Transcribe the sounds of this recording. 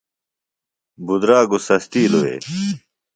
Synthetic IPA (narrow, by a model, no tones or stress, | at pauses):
bud̪ɾaːɡusɐst̪iːloḛː